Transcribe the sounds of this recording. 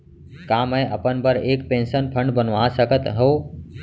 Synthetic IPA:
kãːməẽʔəpənbəɾeːkpẽːnsənpʰə̃ɳɖbənʋãsəkət̪ɦoː

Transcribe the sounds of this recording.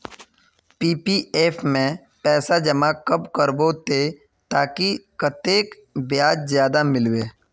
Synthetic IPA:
piːpieːpʰmẽ | pɛːsad͡ʒɐmakəpkəɾboːt̪e | t̪aːkikət̪eːk | bjaːd͡ʒzjaːd̪amɪlweː

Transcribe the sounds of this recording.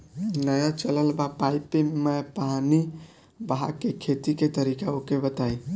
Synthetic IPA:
nəjat͡ʃələlbapaipemepani | baɦa̰kːekʰet̪iket̪əɾikaokebət̪aj

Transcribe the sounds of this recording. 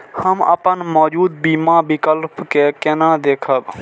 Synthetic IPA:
həmə̰pənmɔːd͡ʒuːd̪̚biːmabɪkəlpkekenãd̪eːkʰəb

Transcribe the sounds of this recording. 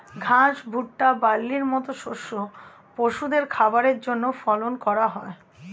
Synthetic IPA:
ɡʱãʃbʱuʈːabalːiɾmɔt̪oʃoʃːo | poʃud̪eɾkʰabaɾeɾd͡ʑonːofɔlonkɔɾaɦɔe

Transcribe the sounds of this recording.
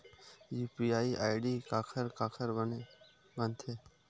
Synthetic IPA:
juːpiːaːiːʔaːɪɖiːkaːkʰəɾkaːkʰəɾən | bənt̪ʰeː

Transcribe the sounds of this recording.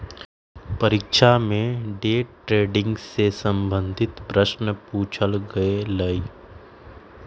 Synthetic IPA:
pɐɾɪkʃamẽɖeːʈɾeːɖɪ̃ŋɡsesə̃mbə̃nd̪ʱɪt̪pɾəʃnəpuːt͡ʃʰəlɡɐeləi

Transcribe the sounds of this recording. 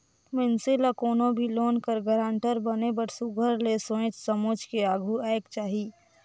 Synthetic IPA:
mɪnselakoːnõbʱiloːnkəɾɡəɾãːɳʈəɾbənebəʈsuɡʱəɾlesõẽt͡ʃsəmod͡ʒkeaːɡʱuɛːɪkt͡ʃaːɦiː

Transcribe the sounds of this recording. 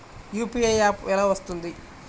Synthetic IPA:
juːpiejaːpɛlaːʋɐst̪und̪i

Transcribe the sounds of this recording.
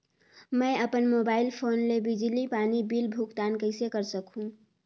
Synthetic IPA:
mə̃əpənmobaːɪlpʰoːnlebid͡ʒlipaːnibilbʱukt̪ankəɪsekəɾsəkũ

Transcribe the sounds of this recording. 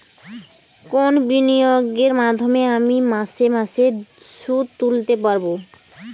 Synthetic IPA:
konbinijoɡeɾmad̪ʱːomeamimãsemãse | sut̪ult̪epaɾbo

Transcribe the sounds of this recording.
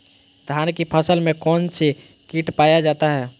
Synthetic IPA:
d̪ʱaːnkipʰəsəlmẽkɔːnse | kiʈpaːjad͡ʒaːt̪aɦɛː

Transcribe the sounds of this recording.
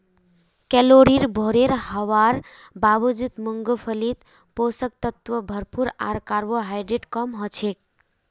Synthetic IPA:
kɛloɾiɾbʱoɾeɾɦəʋaɾ | babəd͡ʒit̪muŋɡəpʰəlit̪ | posək̚t̪ət̪ʋəbʱəɾpuɾa̰ɾkaɾʋoɦajɖeʈkəmɦət͡ʃʰek̚

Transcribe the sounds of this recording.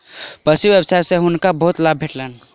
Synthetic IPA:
pəsimʋjebsajsẽɦunkabəɦut̪lab̚ʱeʈlən

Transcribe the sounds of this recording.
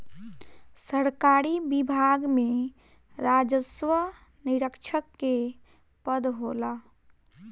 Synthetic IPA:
səɾkaɾibibʱaɡme | ɾad͡ʒəsʋə | niɾəkt͡ʃʰəkːe | pəd̪ɦola

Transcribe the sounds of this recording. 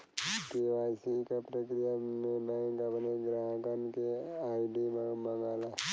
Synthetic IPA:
keʋaːsikapɾəkɾijamẽbɛ̃ːkɐpneɡɾaːɦəkənkeaːiɖimmə̃ŋɡaːla

